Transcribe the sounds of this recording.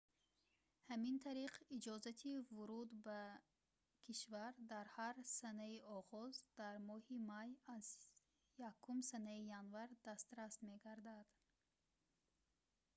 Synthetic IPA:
hamint̪ʰaɾiqʰid͡ʒɔzat̪ʰivuɾud̪ba | kʰiʃvaɾd̪aɾhaɾsanaiɔʁɔzd̪aɾmɔhimajaz | jakʰːumsanaijanvaɾd̪ast̪ɾast̪meɡaɾd̪ad̪̥

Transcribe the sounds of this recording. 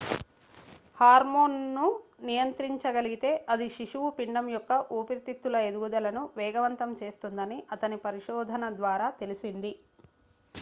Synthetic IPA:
haːɾmoːnːunijɐnt̪ɾiɲt͡ʃɐɡɐliɡit̪e̞ːʔɐd̪iʃiʂuwupiɳɖɐmjɔkːɐʔuːpiɾt̪it̪ːulɐe̞d̪uɡud̪ɐlɐnuʋɛːɡɐʋɐnt̪ɐmt͡ʃe̞ːst̪und̪ɐniʔɐt̪ɐnipɐɾiʂɔːd̪ʱɐnɐd̪ʋaːɾaːt̪e̞lisind̪i

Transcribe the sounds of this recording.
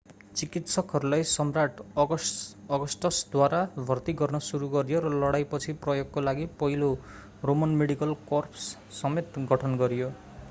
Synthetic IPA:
t͡sikit̪sʌkʌɾulajsʌmraʈɡʌʌɡʌsʈʌsd̪waɾabʱʌrt̪iɡʌrnʌsuɾuɡʌɾijoɾʌlʌɽajpʌt͡sʰiprʌjoɡ̚kolaɡipʌɦilo | romʌnmeɽikʌlkorpʰsː | ʌmet̪ɡʱʌʈʰʌnɡʌɾijo

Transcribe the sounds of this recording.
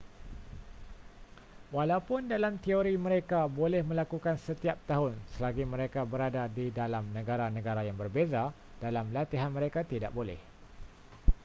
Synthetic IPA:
walawpʊndalamt̪ioɾimə̃ɾekabolɛhmə̃lakukansət̪iap̚t̪aɦʊnsəlaɡimə̃ɾekabəɾadadidalamnə̃ɡaɾanə̃ɡaɾajaŋbərbeza | d̥alamlat̪iɦanmə̃ɾekat̪ida̰ʔ̚bolɛ̰h

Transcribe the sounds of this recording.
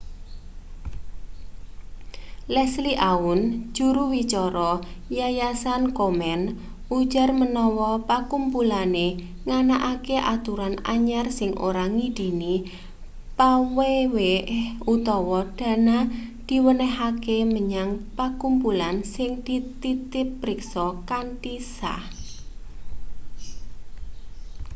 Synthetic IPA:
lɛsliʔaun̥d͡ʒ̥ṳɾuwit͡ʃɔɾɔjajasankomɛn | u̥d͡ʒarmənɔwɔpakumpulane | ŋanaʔakeʔat̪uɾana̰ɲarsɪŋʔo̰ɾaŋid̪̥i̤ni | paweweut̪ɔwɔd̪̥ä̤nad̪̥i̤wənɛɦakeməɲaŋpakumpulansɪŋd̪̥it̪it̪ɪpːɾɪksɔkantisa̰h

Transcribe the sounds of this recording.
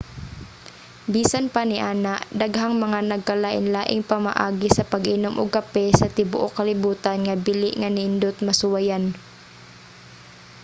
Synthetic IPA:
biːsanpanɪʔaːnaʔd̪aɡɦaŋmɐŋanɐɡ̚kːɐlaʔɪ̰nlaːʔɪŋpɐma̰ʔaːɡɪsɐpɐɡʔinomʔʊɡ̚kapɛsɐt̪ɪbʊʔokɐlɪbuːt̪anŋɐbilɪʔŋanɪɪnd̪ot̪̚mɐsʊwajan

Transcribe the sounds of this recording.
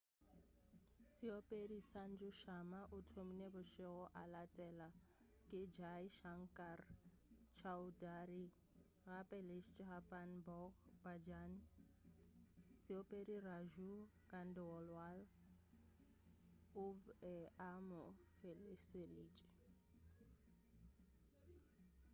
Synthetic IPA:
sɪopʼedisan̩d͡ʒʊʃamaʔʊtʰominebʊʃɪɣɔʔalatʼɛla | kʼɪd͡ʒaiʃaŋ̩kʼar | t͡ʃʰaʊdari | ɣapʼɛleʃt͡ʃʼɦapʼanbɔkbad͡ʒan | sɪopʼediraʒu | ɡan̩dɛɔlwal | ʊɛamʊfeleseliːt͡ʃʼɪ̥

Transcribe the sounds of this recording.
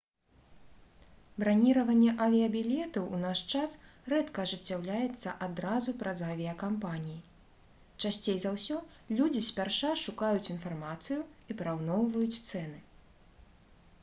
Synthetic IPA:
bɾanʲiɾɐvɐnʲːɛʔavʲiɐbʲilʲɛt̪ɐwʔunaʂt͡ʂasrɛt̪kɐːʐɨt͡sʲːawlʲajɛt̪sːɐʔad̪ɾazupɾɐzavʲiɐkampanʲiji | t͡ʂasʲt͡sʲejzawsʲɔlʲud͡zʲisʲpʲarʂaʂukajut͡sʲin̪farmat̪sɨjuipɾawnɔwvɐjut͡sʲt̪sɛn̪ɨ

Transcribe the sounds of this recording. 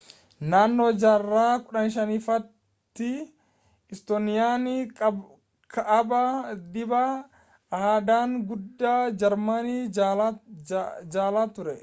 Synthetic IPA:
naːnːoːd͡ʒaːrːaːkʊᶑɐnʃ̬ɐnifɐt̪ː | ɪ | ɪst̪onɪjaːnɪ | kʰɐʔɐbɐd̪ɪbɐ | haːd̪aːŋɡʊd̪ːaːd͡ʒɐɾmɐni | d͡ʒaːlaːt̪ʊɾɛ

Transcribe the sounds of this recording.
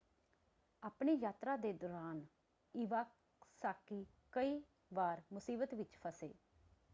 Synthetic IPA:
aːpɳeːjaːt̪ɾaːd̪eːd̪ɔːɾaːn | ɪʋaːk | saːkːiː | kəiː | ʋaːɾmʊsiːbət̪ʋɪt͡ʃpʰəsḛː

